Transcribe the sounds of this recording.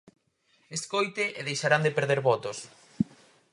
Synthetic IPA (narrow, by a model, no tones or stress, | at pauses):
eskojt̪ɪʔeðejʃaɾand̪epeɾðeɾβɔt̪os